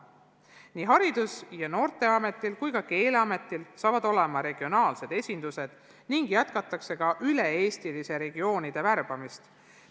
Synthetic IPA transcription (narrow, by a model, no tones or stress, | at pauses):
niːɦɑɾid̪̥usjɑno̞ːrt̪e̞ɑme̞t̪ːˑilkujkɑke̞ːleɑme̞t̪ːˑilsɑːvɑd̪o̞le̞mɑɾe̞ɡ̥io̞nɑːlse̞d̪e̞sʲind̪̥use̞d̪̥ | niŋɡ̥jæt̪kɑt̪ːˑɑkse̞ɡɑʔyle̞e̞ːst̪ilise̞ɾe̞ɡio̞ːnid̪̥e̞værb̥ɑmist̪